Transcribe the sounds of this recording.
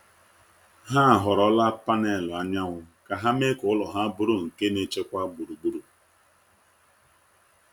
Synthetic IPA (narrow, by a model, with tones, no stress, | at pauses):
ɦa˦˨ɦɔ˨ɾɔ˦la˦pa˦ne˦˨lɔ˨a˦ɲa˦ŋʷʊ˦ka˨ɦa˦me˦kʊ˨˦lɔ˨ɦa˦bʊ˦ɾʊ˦˨ŋ̩˨ke˦ne˦t͡ʃe˦kʷa˦ɡ͡bu˨ɾu˨ɡ͡bu˦ɾu˨